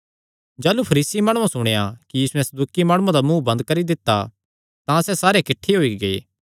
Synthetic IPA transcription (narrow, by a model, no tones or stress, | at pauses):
d͡ʒaːlupʰɐɾiːsimaːɽ̃ũãsʊɽ̃eːakijiːsuɛ̃sɐd̪uːkimaːɽ̃ũãd̪amũːbɐ̃nd̪kɐɾid̪ɪt̪ːa | t̪ãsɛsaːɾekɪʈʰːeɦoːiɡɐḛː